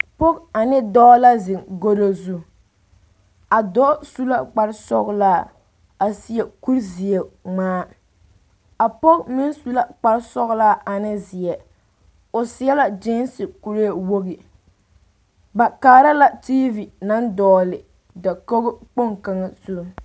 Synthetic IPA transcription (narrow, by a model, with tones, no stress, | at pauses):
pɔ˦ka˨nɪ˦dɔː˦la˦zɪ˨ŋɡo˦do˦zu˦ | a˨dɔ˦su˦la˦k͡pa˦ɾsɔ̰˦ɣlaː˦ | a˨si˦ɛ˨ku˦ɾzɪ˨ɛ˨ŋ͡maː˦ | a˨pɔ˦kmɪ˦nsu˦la˦k͡pa˨ɾsɔ˦ɣla˦ʔa˨nɪ˦zɪ˨ɛ˨ | o˨sɪ˨˦ɛ˦la˨d͡ʒe˦nsɪ˨ku˨ɾe˦˨wo˦ɣi˨ | ba˨kaː˨˦ɾa˦la˦ti˦vi˨na˦ndɔː˨˦lɪ˨ | da˨ko˦ɣʊ˦k͡po˦ŋka˦ŋa˦˨su˦ɾʊ˦